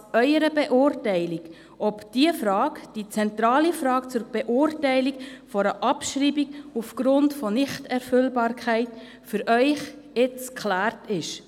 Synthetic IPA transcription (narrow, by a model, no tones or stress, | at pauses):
œʏəɾəbɛʔʊːɾtɛɪliɡ | ɔpd̥iəfɾɑːɡd̥it͡sɛnt̪ɾɑːlifɾɑːkt͡sʊɾb̥ɛʔʊːrtɛɪlikfɔɾəʔɑpʃriːbiɡufɡ̥ɾʊntfɔnɪχtɛɾfʏlbɑːɾkʰæɪt | fʏɾʔœʏχɪt͡skʰχlæːrtɪʃ